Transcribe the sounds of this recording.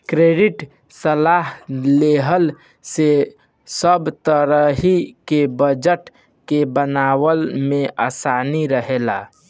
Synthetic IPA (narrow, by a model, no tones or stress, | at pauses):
kɾeɖɪʈ | səlaːɦleɦəl | se | səbt̪əɾəɦikebəd͡ʒəʈ | kebənaːwəlmẽʔaːsaːniɾəɦela